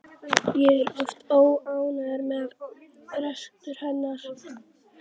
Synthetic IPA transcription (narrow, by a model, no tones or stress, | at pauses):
jɛɛɾɔft̪oːwaːwnaðaɾmɛð | ɾɛsk̚t̪ʏɾ̥hɛnːaɾ̥